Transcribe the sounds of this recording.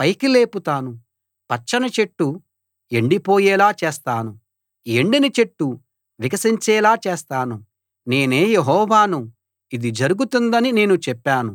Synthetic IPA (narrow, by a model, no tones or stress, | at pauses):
pɐjkile̞ːput̪aːnu | pɐt͡ʃːɐnɐt͡ʃe̞ʈːu | e̞ɳɖipo̞ːjɛːlaːt͡ʃeːst̪aːnu | e̞ɳɖinit͡ʃe̞ʈːu | ʋikɐsiɲt͡ʃɛːlaːt͡ʃeːst̪aːnu | ne̞ːneːjeɦɔːʋaːnu | id̪id͡ʒɐɾuɡut̪und̪ɐnine̞ːnut͡ʃɛpːaːnu